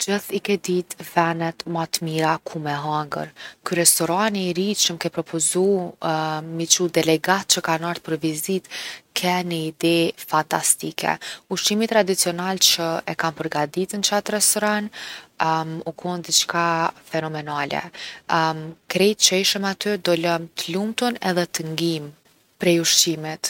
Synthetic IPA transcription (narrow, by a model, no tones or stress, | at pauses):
d͡ʒəθikɛd̪it̪vɛnɛt̪mat̪miɾakʰumɛɦaŋɡə̰ɾkyɾɛst̪ɔɾaniɾiʃəmkɛpɾɔpɔzu | mit͡ʃud̪ɛlɛɡat̪̚t͡ʃəkanaɾt̪pəɾvizit̪kʰɛnəid̪ɛfant̪ast̪ikʰɛ̰uʃt̪imit̪ːɾad̪it͡siɔnalt͡ʃəɛkanpəɾɡad̪it̪ənt͡ʃat̪rɛst̪ɔɾan | ukʰund̪it͡ʃkafɛnɔmɛnalɛ̰ | kɾɛjt͡ʃɛjʃəmat̪yd̪ɔlɔmt̪əlumt̪unɛðɛt̪əŋɡim | pɾɛjuʃt̪imit̪